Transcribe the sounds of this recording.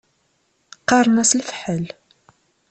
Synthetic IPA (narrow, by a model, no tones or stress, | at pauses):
qːɑɾˤnæslfħəl